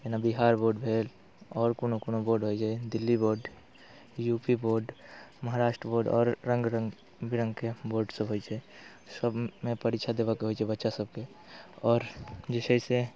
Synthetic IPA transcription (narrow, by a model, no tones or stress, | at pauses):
enabiɦaɾboɾɖbʱel | ɔːɾkonokonoboɾɖɦojd͡ʒaɛd̪ilːiboɾɖ | jupiboɾɖməɦaɾaʃʈɾəboɾɖɔ̰ːɾːə̃ŋɡɾəŋ | biɾə̃ŋɡkeboɾɖsəbɦojt͡ʃʰɛ | səbmepəɾit͡ʃʰad̪ebakeɦojt͡ʃʰɛbətːʃasəb̚ke | ɔːɾd͡ʒesəise